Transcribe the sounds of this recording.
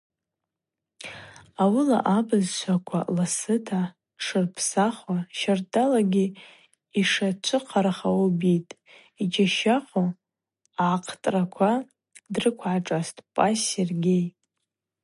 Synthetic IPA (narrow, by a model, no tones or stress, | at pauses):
awɨla̰ʔabɨzʃʷakʷʰa̰lasɨtʰa | ʈ͡ʂʰɨrpʰsaχwaʃartʰʼalaɡʲi | iʂat͡ʃʷʰɨqʰaɾaχaobitʼ | id͡ʒaʃaqʷʰʼo | ʕaqʰtʼrakʷʰa | drɨkʷʰʕaʈ͡ʂʼastʼpʼaserɡʲej